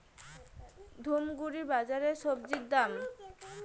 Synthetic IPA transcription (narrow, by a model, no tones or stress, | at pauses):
d̪ʱomɡuɾibad͡ʑaɾeʃɔbd͡ʑidd̪am